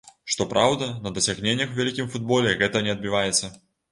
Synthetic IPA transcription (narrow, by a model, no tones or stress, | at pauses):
ʂt̪ɔpɾawd̪ɐnɐd̪ɐsʲaɣnʲenʲːɐxwvʲalʲikʲimfud̪̚bɔlʲɛɣɛt̪ɐnʲɛɐd̪bʲivajɛt̪sːɐ